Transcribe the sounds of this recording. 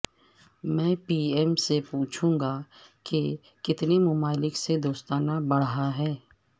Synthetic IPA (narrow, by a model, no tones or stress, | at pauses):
mɛ̃ːpiːɛːmsepuːt͡ʃʰũːŋɡake | kɪt̪nemʊmaːlɪksed̪oːst̪aːnabɐɽɦaɦɛː